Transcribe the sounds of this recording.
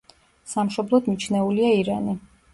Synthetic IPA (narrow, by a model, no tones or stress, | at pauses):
samʃɔblˠɔd̪mit͡ʃʰnɛuliaiɾani